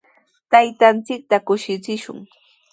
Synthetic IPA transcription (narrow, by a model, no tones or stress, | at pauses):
t̪ajt̪ant͡sɪk̚t̪akʊʃɪt͡sɪʃʊ̰ŋ